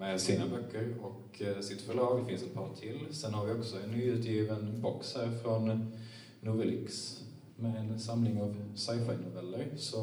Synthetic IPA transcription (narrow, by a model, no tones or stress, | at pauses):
mɛsiːnabœkːəɾɔk | sɪt̪fœɭɑːɡfɪnsɛt̪̚pʰɑːnt̪ʰɪlsɛnhaɾvɪɔksɔɛnːyːʉ̟ːt̪ʰjiːvənbɔkshæːɾfɾɔnː | uːvlɪ̰ks | mɛɛnsamlɪŋɑvsaɪfaɪnʊvɛlːəɾsɔ